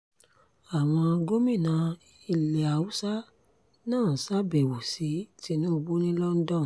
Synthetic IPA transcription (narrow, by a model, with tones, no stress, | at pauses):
a˨w̃ɔ̃˧a˧ɡo˦mĩ˦˨nã˨˦ | i˧˨le˨a˨u˦sa˦ | nãː˦˨sa˦be˨wo˨si˨˦ti˦nũ˦˧bu˦nĩ˦lɔ˦n̩˦dɔ̃˦˨